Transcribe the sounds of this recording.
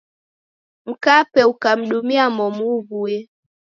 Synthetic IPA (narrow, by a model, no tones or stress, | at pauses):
m̩kapɛukam̩ɗumiamɔmuβuɛ